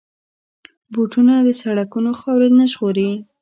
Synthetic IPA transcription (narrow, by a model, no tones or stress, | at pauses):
boʈunad̪əsaɽakunoxɑwɾed̪nəʒɣoɾei